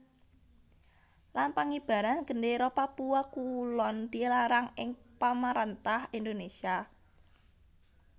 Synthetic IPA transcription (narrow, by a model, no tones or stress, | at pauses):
lanpaŋib̥a̤ɾanɡ̥əndeɾɔpapuwakulɔnd̪̥ilaɾaŋɪŋpamaɾɛnt̪ahind̪onesia